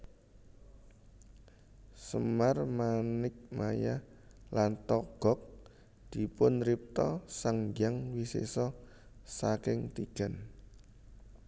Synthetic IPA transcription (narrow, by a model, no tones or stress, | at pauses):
səmarmanɪk̚majah | lant̪ɔɡ̥ɔ̤k̚ | d̪̥i̤pʊnrip̚t̪ɔsaŋɡaŋwisḛsɔ | sakɪŋt̪iɡ̥a̤n